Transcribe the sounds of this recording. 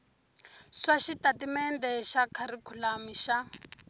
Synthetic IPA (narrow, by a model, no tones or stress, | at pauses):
ʂaʃitatimɛndɛʃakʰaɾikʰulamiʃa